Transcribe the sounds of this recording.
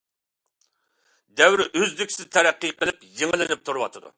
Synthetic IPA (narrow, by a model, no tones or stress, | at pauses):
d̪ɛwɾʔøzd̪ykʲsɪzt̪ʰɛɾæqːəjqʰəlˠɨpjeŋɨlˠɨnɪp̚t̪ʰuɾuwɑ̰t̪ʰɨd̪ṵ